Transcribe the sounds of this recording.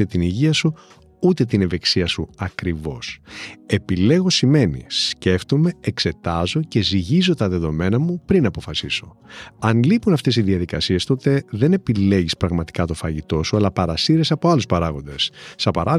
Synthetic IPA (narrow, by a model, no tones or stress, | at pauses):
et̪iniʝiɐsu | ut̪et̪ineveksiɐsuɐkɾivo̞se̞pile̞ɣo̞sime̞nḭsce̞ft̪ome̞ekse̞t̪ɐzo̞ce̞ziʝizo̞t̪ɐðe̞ðo̞me̞nɐmupɾinɐpo̞fɐsiso̞ | ɐnlipunɐft̪e̞sizðiɐðikɐsie̞st̪o̞t̪e̞ðe̞ne̞pile̞ʝispɾɐɣmɐt̪i̥kɐt̪o̞fɐʝit̪o̞suɐlɐpɐɾɐsiɾesɐpo̞ɐluspɐɾɐɣo̞nd̪e̞sːɐpɐɾɐ